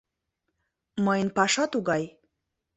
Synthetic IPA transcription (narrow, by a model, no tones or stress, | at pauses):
məjnpɑʃɑt̪uɡɑj